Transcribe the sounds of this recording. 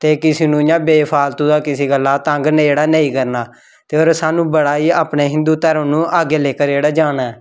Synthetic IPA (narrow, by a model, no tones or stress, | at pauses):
t̪eːkɪseːnũːɪjãːbeːpʰaːlt̪ũːd̪aːkɪseːɡəlːaːt̪ə̃ŋɡnːeːɽaːnəĩːkəɾnaː | t̪eːoːɾsaːnũːbəɽaːiːaːpɳeːɦɪ̃nd̪uːt̪əɾəmnũːʔaːɡeːleːkəɾd͡ʒeːɽaːd͡ʒaːnaːɛː